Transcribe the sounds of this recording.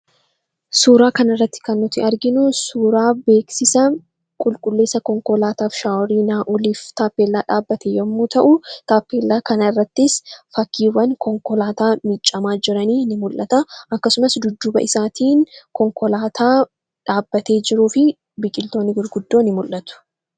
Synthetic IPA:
suːɾaːkɐnɪrːɐt̪ːɪ̥kɐnːʊt̪ɪɐɾɡɪnʊsuːɾaːbe̞ːksɪsɐ | kʼʊlkʼʊlːe̞ːsɐkɔŋkɔlaːt̪aːfʃaːwɔɾiːnaːʔɔliːft̪aːpːeːlːaːᶑaːbːɐt̪ʰejɐmːuːt̪ʰɐʔʊt̪aːpːe̞ːlːaːkɐnɐɪrːɐt̪ːɪsfɐkːiːwɐnkɔŋkɔlaːt̪aːmɪt͡ʃʼːɐmaːd͡ʒɪɾɐniːnɪmʊlʔɐt̪ɐʔɐkːɐsʊmɐsd̪ʊd̪ːʊbɐ̰ʔɪsaːt̪ʰiːnkɔŋkɔlaːt̪ʰaː | ᶑaːbːɐt̪e̞ːd͡ʒɪɾuːfɪ | bɪkʼɪlt̪o̞ːnːɪɡʊɾɡʊd̪ːoːnɪmʊlʔɐt̪ʊ̥

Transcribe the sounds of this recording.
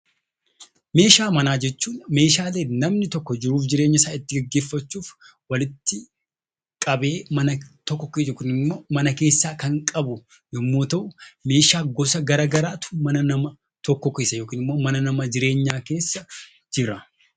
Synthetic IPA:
me̞ːʃaːmɐnaːd͡ʒɛt͡ʃːuːnme̞ːʃaːle̞ːnɐmnɪt̪ɔkːɔd͡ʒɪɾuːfd͡ʒɪɾeːɲːɪsaːɪt̪ːɪɡɐɡːe̞ːfːɐt͡ʃːuːf | wɐlɪt̪ːɪ | kʼɐbe̞ːmɐnɐt̪ɔkːɔkeːjoːkiːnɪmːo̞ːmɐnɐke̞ːsːaːkɐŋkʼɐbʊ | jɛmːo̞ːt̪ɐʔʊme̞ːʃaːɡɔsɐɡɐɾaːɡɐɾaːt̪ʊ̥mɐnɐnɐmɐ | t̪ɔkːɔkeːsːɐjoːkiːnɪmːo̞ːmɐnɐnɐmɐd͡ʒɪɾe̞ːɲːaːke̞ːsːɐ | d͡ʒɪɾɐ

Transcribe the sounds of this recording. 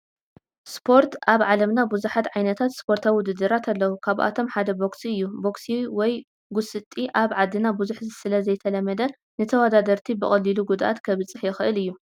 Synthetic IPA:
spʰo̞ɾt̪ʔaβʕalɐmnabuzuħat̪ʕajnɐt̪ʰat̪spʰo̞ɾt̪ʰaβiwʊd̪ɨd̪ːɨɾat̪ʰalːɐwukʰaβʔa̰t̪ʰo̞mħad̪ɐbo̞ksiɨjːubo̞ksiwɔj | ɡʊsɨt̪ʼiʔaβʕad̪ːinabuzuħzɨsɨlɐzɐjt̪ʰɐlɐmːɐd̪ɐ | nɨt̪ʰɐwad̪ad̪ɐɾt̪ʰibɨχʼɐlːiluɡud̪aʔat̪kʰɐβɨt͡sʼːɨħjɛxɨʔɨlɨjːu

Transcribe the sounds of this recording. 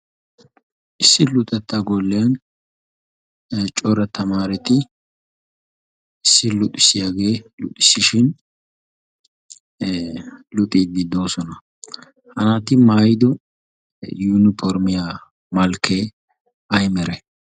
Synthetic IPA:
ʔɪsːɪlʊt̪ʼɛt̪ːɐɡolːɪjan | t͡ʃʼɔɾɐt̪ɐmaːɾɛt̪ɪ | ɪsːɪlʊt̪ʼɪsːɪjaːɡe̞ːlʊ̰t̪ʼːɪsːɪʃɪn | lʊt̪ʼiːd̪̚ɡɪd̪o̞ːsɔnɐ | hɐnat̪ɪmaːjɪd̪ɔ | juːnɪfɔɾmɪjaː | mɐlkʰːeː | ɐjmɛɾɛ

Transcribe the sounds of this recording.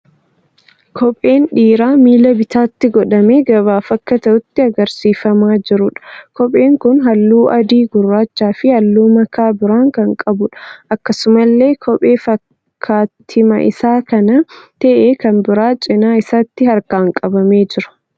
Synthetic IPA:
kʰɔpʼe̞ːnᶑiːɾaːmiːlɐbɪt̪aːt̪ːɪɡɔᶑɐme̞ːɡɐβaːfɐkːɐt̪ɐʔʊt̪ːɪɐɡɐɾsiːfɐmaːd͡ʒɪɾʊᶑɐ̥kɔpʼe̞ːŋkʊnɦɐlːuːʔɐd̪iːɡʊrːaːt͡ʃːaːfɪhɐlːuːmɐkʰaːbɪɾaːŋkɐŋkʼɐbʊᶑɐ̥ʔɐkːɐsʊmɐlːe̞ːkʰɔpʼe̞ːfɐk | kʰːaːt̪ʰɪmɐ̰ʔɪ̰saːkɐnɐt̪ɐʔeːkɐnbɪɾaːt͡ʃʼɪnaːɪsaːt̪ːɪhɐɾkaːŋkʼɐbɐme̞ːd͡ʒɪɾʊ̥

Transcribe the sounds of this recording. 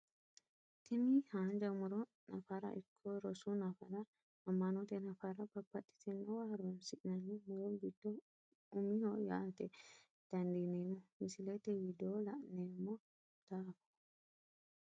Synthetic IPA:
t̪ɪmihaːnd͡ʒɐmʊɾɔ | nɐfaɾɐ̰ʔɪkʰːɔɾɔsunɐfɐɾɐ | ɐmːɐnɔt̪ɛnɐfaɾɐbɐbːɐtːɪ̥t̪ɛnːɔwaːɾɔnsɪʔnɐnimɔɾɔbid̪̥ːɔ | ʊmihɔja̰t̪ɛ | d̪̥ɐnd̪ineːmɔmɪsɪlɛt̪ɛwɪd̪oːlɐʔneːmːɔ | d̪̥aːkɔ̥

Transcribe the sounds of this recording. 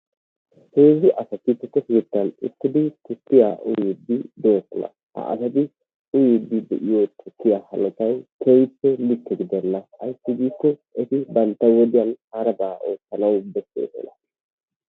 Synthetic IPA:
heːzɪʔɐsɐt̪ːɪt̪ːɛtːɛsɪjɪt̪ːɐnɪ̰t̪ːɪd̪ɪt̪ʰʊtːɪja̰ːʔʊ̰jɪd̪ːɪd̪o̞ːslɐ̰ | hɐ̰ʔɐ̰sɐd̪ɪ | ʊjɪd̪ːɪd̪ɛ̰ʔɪjoːt̪ʰʊkːɪjaːhɐlɔt͡ʃɐjkʰejpːɛlɪkːɛɡɪd̪ɛnːɐɐ̰jsːɪɡiːkːɔɛt̪ɪbɐnt̪ːɐwɔd̪ɪjɐnhaɾɐbaːʔo̞ːsːɐnɐwbɛsḛːsɛ̰lɐ

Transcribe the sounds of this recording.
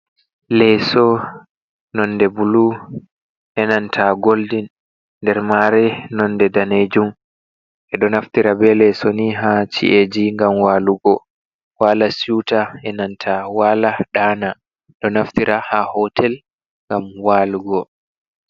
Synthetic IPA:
lɛsɔ | nɔnːdɛbulu | ʔɛnantʰaɡoldin | nːdɛɾmaɾɛnɔndɛdaned͡ʒum | ʔɛɗɔnaftiɾabɛlɛsɔniɦat͡ʃḭʔed͡ʒiŋɡamwaːluɡɔ | walasutaɛnantʰawalaɗaːna | ɗɔnaftiɾʔahahɔtʰɛl | ŋɡamwaːluɡɔ

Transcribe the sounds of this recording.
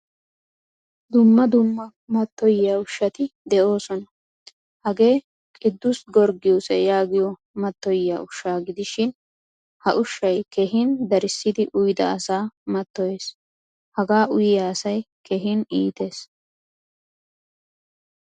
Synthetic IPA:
d̪ʊmːɐd̪ʊmːɐ | mɐt̪ːɔjːaʊʃːɐt̪ɪd̪ɛʔo̞ːsɔnɐ | hɐɡe̞ː | kʼɪd̪ːʊsɡɔɾɡɪjɔsɛjaːɡɪjɔ | mɐt̪ːɔjːaʊʃːaːɡɪd̪ɪʃɪn | hɐʔʊʃːɐjkɛɦɪnd̪ɐɾɪsːɪd̪ɪʔʊjd̪ɐːsaːmɐt̪ːɔje̞ːs | hɐɡaːʔʊjɪjaːsɐj | kɛɦɪniːt̪e̞ːs

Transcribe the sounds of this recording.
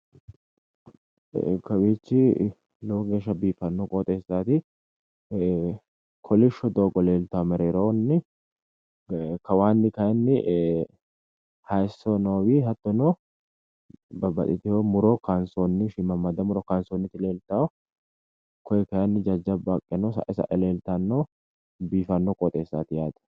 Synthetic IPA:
kɐbiːt͡ʃːɪ | loːɡeːʃ̬ɐbiːfɐnːɔkʼoːt̪ʼeːsaːt̪ɪ | kʰɔlɪʃɔd̪oːɡɔleːlt̪ːamɛɾeːɾonːɪ | kɐwaːnːɪkɐjɐnːɪ | hɐjsɔnoːwiɦɐt̪ːɔno | bɐbɐ̰t̪ʼɪt̪ɪhomʊɾokansoːnːɪʃɪmɐmːɐd̪ɐmʊɾɔkansonːɪt̪ɪleːlt̪awɔ | kʰɔjɛkɐjɐnːɪd͡ʒɐd͡ʒːɐbakʼːɛnɔsɐ̰ʔɛsɐ̰ʔɛleːlt̪ɐnːo | biːfɐnːɔkʼɔt̪ʼe̞ːsːa̰ːt̪ɪjaːd̪ɐ̥

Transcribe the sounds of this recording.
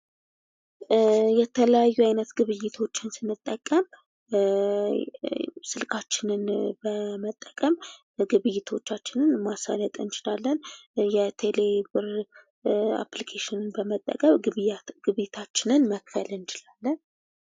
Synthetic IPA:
jɛt̪ʰələjajːuajnət̪ɡɨβɨjːɪt̪ʰo̞t͡ʃːɪnsɨnːɨt̪ʼːəkʼːəm | sɨlkʰat͡ʃːɪnɨnbəmət̪ʼːəkʼəm | ɡɨβɨjːɪt̪ʰo̞t͡ʃːat͡ʃːɪnɨnmasa̰lət̪ʼɨnt͡ʃɪlalːənjɛt̪ʰe̞lebɨɾ | a̰plikʰeʃɪnɨnbəmət̪ʼːə̰kʼəmɡ̥ɨβɨjɪt̪ʰat͡ʃːɪnɨnməkfəlɨnt͡ʃɪlalːən

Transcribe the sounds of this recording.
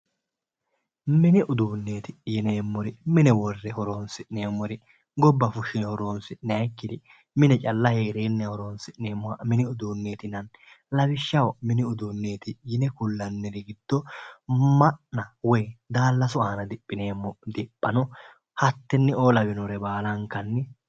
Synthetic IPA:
mɪnɪʔʊd̪uːnːe̞ːt̪ɪjɪneːmːɔɾɪmɪnɛwɔrːɛhɔɾoːnsɪʔneːmːɔɾɪ | ɡɔbːɐfʊʃɪnɛhɔɾo̞ːnsɪʔnɛɐkːɪd̪ɪ | mɪnɛt͡ʃʼɐlːɐheːɾeːnːɛhɔɾoːnsɪʔneːmːɔɐmɪnɪʊd̪uːnːe̞ːt̪ɪnɐn | lɐbɪʃːɐwmɪnɪʊd̪uːnːe̞ːt̪ɪjɪnɛkʊlːɐnːɛɾɪɡɪd̪̥ːɔ | mɐʔnɐwɔjd̪aːlːɐsʊaːnɐd̪ɪpʼːɪne̞ːmːɔd̪ɪpʼːɐnɔ | hɐt̪ːɛnːɛoːlɐbɪnɔɾɛbaːlɐŋkːɐnːɛ

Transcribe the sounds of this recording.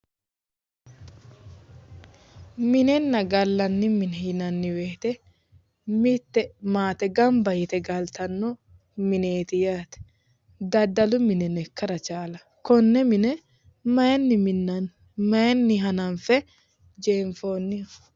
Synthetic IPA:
mɪnɛnːɐɡɐlːɐnːɪmɪnɛhɪnɐnːɪweːt̪ɛ | mɪt̪ːɛmaːt̪ɛɡɐmbɐjɪt̪ɛɡɐlt̪ɐnːɔ | mɪneːt̪ɪjaːt̪ɛ̥ | d̪ɐd̪ɐlʊmɪnɛnɛkːɐɾɐt͡ʃaːlɐ | kɔnːɛmɪnɛ | mɐɛnːɪmɪnːɐn | mɐjɛnːɪɦɐnɐnfɛ | d͡ʒeːɱfoːnːɪɐ

